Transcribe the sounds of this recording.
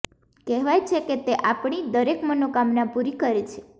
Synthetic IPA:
kɛɦʋajt͡ʃʰeket̪eʔapɳ̃id̪əɾekmənokamnapuɾikəɾet͡ʃʰe̥

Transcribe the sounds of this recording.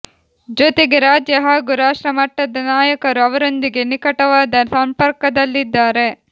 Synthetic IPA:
d͡ʒot̪eɡe̞ɾaːd͡ʒjɐɦɐɡuɾaːʃɾɐmɐʈːɐd̪ɐnaːjɐkɐɾuɐʋɐɾo̞nd̪iɡe̞nikɐʈɐʋaːd̪ɐsɐmpɐɾkɐd̪ɐlːid̪ːaːɾe̞

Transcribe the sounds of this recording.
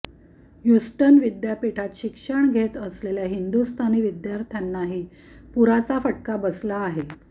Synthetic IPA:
jusʈənʋid̪japiʈʰat̪ɕikʂəɳɡʱet̪əsleljaɦind̪ust̪ʰaniːʋid̪jaɾt̪ʰjanːaɦiː | puɾat͡safəʈkabəslaːɦe

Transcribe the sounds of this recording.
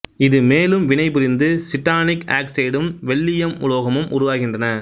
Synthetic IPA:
ɪðɯmeːlɯmʋɪnɐɪpʊɾɪnd̪ɯsɪʈːaːnɪka̰ːkseːɽɯmʋɛɭːɪjɐmʊloːɣɐmɯmʔʊ̰ɾʊʋaːɣɪndrɐnɐ

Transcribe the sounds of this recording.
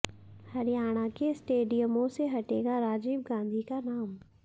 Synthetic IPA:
hɐɾijaːɽ̃akesʈeːɖijəmõseɦɐʈeːɡaɾaːd͡ʒiːb̚ɡãːnd̪ʱikanaːm

